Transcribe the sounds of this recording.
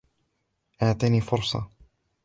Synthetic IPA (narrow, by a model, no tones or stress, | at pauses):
ʔaʕt̪ˤiniːfʊɾˤsˤɑ̰